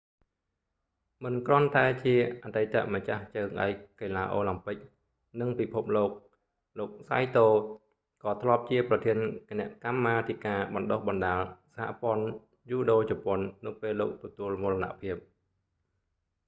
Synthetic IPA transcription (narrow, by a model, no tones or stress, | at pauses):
mɨnkrŏənt̪aɛt͡ɕiəʔat̪ejt̪a̰ʔmat͡ɕaht͡ɕəːŋɗa̰ɛc̚keːlaːʔoːlampɨk̚ | nɨŋpipʰup̚loːk̚ | loːk̚sa̰jt̪oː | kɑːt̪ʰlŏəp̚t͡ɕiəprɑt̪ʰiənkenɛ̆əʔkamːaːt̪ʰikaːɓɑnɗohɓɑnɗaːlsaha̰ʔpŏən | juːɗoːt͡ɕɔpŏənːɨwpeːlːoːk̚t̪ɔt̪uəlmulana̰ʔpʰiəp̚